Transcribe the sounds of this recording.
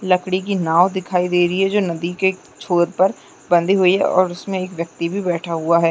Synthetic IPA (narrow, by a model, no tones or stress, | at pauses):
lɐkɽ̃ikinaːʋd̪ɪkʰaːid̪eːɾəiɦɛd͡ʒoːnɐd̪ike | t͡ʃʰoːɾpɐɾ | bɐ̃nd̪ʱiɦuiɦɛ̰ʔɔ̰ːɾʊsmẽeːkʋjɐk̚t̪ibʱibɛːʈʰaɦuaɦɛː